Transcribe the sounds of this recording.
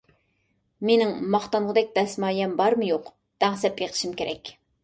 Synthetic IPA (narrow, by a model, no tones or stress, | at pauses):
menɪŋmɑχt̪ɑɴʁəd̪ɛk̚ʲd̪ɛsmɑːjɛmbɑɾmɨjoq | d̪̥æŋsɛpjeqʰə̥ʃimkʲʰeɾʔɛ̰kʲ